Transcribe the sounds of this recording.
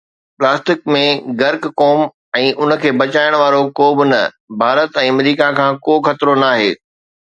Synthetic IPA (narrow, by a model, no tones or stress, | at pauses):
plaːsʈɪkmẽɡɐɾkkoːm | ɛ̃ːʔʊnə̆kʰeːbɐt͡ɕaːɪəɽ̃ʋaːɾokoːbɪnɐ | bʱaːɾət̪ɛ̃ːɐmɾiːkakʰãːkoːxɐt̪ɾonaːɦeː